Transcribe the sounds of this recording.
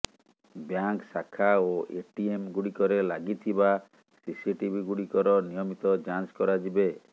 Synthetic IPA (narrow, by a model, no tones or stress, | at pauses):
bjaŋksakʰaoʔeʈiemɡuɽikɔɾelaɡit̪ʰiba | sisiʈibʱiɡuɽikɔɾɔnijɔmit̪ɔd͡ʒanskɔɾad͡ʒibe